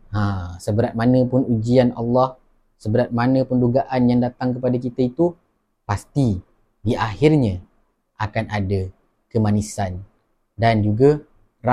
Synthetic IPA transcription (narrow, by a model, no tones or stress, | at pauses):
ãsəbəɾat̪̚manə̃pʊnud͡ʒiana̰lːɑh | səbəɾat̪̚manə̃pənduɡaʔanjaŋdat̪aŋkəpadak̬it̪ait̪u | past̪i | diʔahirɲə̃ | ʔakanʔada | kəmanisan | dand͡ʒuɡa | ra